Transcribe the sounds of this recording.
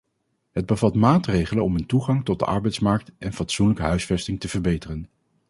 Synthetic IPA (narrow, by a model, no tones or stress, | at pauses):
ɦəd̚bəvɑtmaːtrejχələnɔməntuχɑŋtɔd̚də̰ʔɑ̰ɹbɛjtsmɑɹk̚tʔɛnfɑtsunləkəɦœɥsfɛstɪŋtəvəɹbejtərən